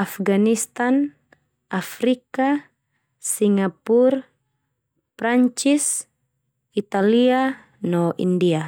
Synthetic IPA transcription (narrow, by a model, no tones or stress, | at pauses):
afɡanist̪an | afɾika | siŋapur | pɾaɲt͡ʃis | it̪alia | nɔʔḭndia